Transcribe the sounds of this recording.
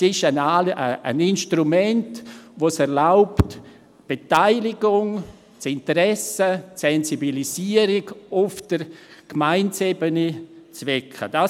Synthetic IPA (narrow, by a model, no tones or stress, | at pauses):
sɪʃənaːləə̰nɪnʃtɾumɛntʋosɛɾlaʊpt | b̥etaɪlɪɡ̥ʊŋ | t͡sɪntəɾɛsəsɛnzibilisiəɾɪɡʊfd̥əɾkmaɪntsebənit͡svɛkʰχə̰d̥a